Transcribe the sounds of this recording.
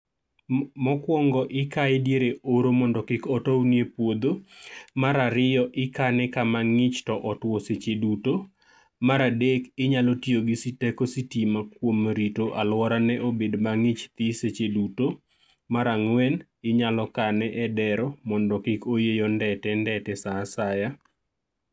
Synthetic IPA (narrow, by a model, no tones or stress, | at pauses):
mɔkwɔŋɡɔʔɪkaɪdjeɾeoɾomɔndɔkɪkɔtownjepwod̪omaɾaɾɪjɔʔɪkanɛkamaŋɪt͡ʃtɔʔɔtwoset͡ʃeduto | maɾadekɪɲalɔtjoɡisitɛkositimakwomɾitoʔalwɔɾanɛʔobedmaŋɪt͡ʃt̪ɪset͡ʃeduto | maɾaŋwɛn | ɪɲalɔkanɛʔɛdɛɾɔmɔndɔkɪkojejondɛtɛndɛtɛsasaja